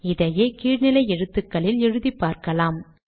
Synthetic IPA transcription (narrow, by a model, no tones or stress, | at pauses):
ɪðɐjeːkiːɻnɪlɐɪɛɻɯt̪ːɯkːɐɭɪlɛɻɯðipːaːɾkɐlaːm